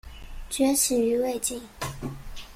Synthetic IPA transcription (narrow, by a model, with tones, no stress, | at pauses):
t͡ɕɥɛ˧˥ʂʰɻ̩˨˩y˧˥we˥˧ɪt͡ɕi˥˩ŋ